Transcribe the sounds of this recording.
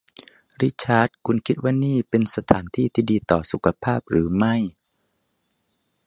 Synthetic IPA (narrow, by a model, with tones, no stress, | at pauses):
ɾi˦˥t͡ɕʰaː˦˥˩t̪̚kʰu˧nkʰi˦˥t̪̚waː˥˩niː˥˩pe˧nsa˧t̪ʰaː˩˦nt̪ʰiː˥˩t̪ʰiː˥˩diː˧t̪ɔː˨˩su˨˦kʰa˧pʰaː˥˩p̚ɾɯː˩˦ma˥˩j